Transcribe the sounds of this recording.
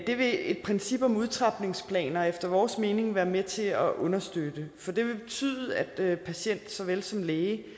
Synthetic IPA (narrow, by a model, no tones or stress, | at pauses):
d̥e̝ʋe̝ed̥̚pʰʁɛnsib̥ɒ̽muð̞ˠt͡sʰʁɑ̈b̥ne̝ŋspʰlɛ̰ːnɐefd̥ɐʋɒːsme̝ːne̝ŋʋæːɐmet͡sʰe̝ɒʔɔ̽nɐsd̥ød̥əfɒ̽d̥e̝ʋe̝b̥e̝t͡sʰy̰ːðˠæd̥pʰæɕen̰d̥sɒ̽ʋelsɒ̽mleːɪ